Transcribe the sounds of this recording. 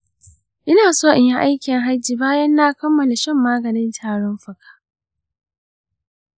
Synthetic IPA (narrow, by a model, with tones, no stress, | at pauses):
ʔɪ˦naː˨soː˦ʔɪ˨ɲja˦ʔa˦jkʲɪ˨ŋɦa˦d͡ʒiː˨baː˦jɐ˦nːaː˦kɐ˦mːɐ˨la˨ʃɛ˦˨mːaː˦ɡɐ˨nɪ˦ntʰaː˨ɽɔ˦mɸɐ˨kʰḁː˦